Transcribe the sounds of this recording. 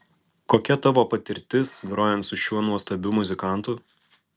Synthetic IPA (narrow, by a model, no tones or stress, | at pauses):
koːkʲɛt̪ɑʋoːpɐt̪ʲɪɾʲt̪ʲɪsɡɾoːjɛnt̪sʊʃʲuɔnuɔst̪ɐbʲʊmʊzʲɪkɑˑnˑt̪ʊ